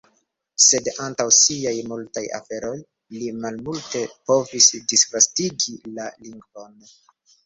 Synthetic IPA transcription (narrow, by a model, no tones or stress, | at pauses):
se̞dantawsiajmultaja̰fe̞ɾo̞j | limalmulte̞po̞visdisɡvastiɡilaliŋɡvo̞n